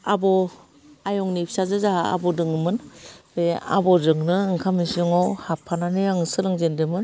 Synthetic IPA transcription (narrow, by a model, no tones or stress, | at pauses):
abɔ | ajɔŋnipʰsazɯzaa̰bɔdɯŋɯmɯnbea̰bɔdɯŋnɯɯŋkʰamisŋɔwhapʰːananɯjaŋɯsɯɾɯŋzendɯmɯn